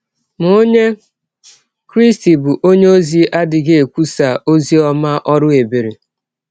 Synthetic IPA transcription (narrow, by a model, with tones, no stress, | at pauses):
m˨o˦ɲe˦ | kɾi˦sti˨bʊ˨ʔo˦ɲe˦o˦zi˨ʔa˦dɪ˨ɡe˨e˨kʷu˦sa˨ʔo˦zi˦ɔ˦ma˦ʔɔ˦ɾʊ˦e˨be˨ɾe˨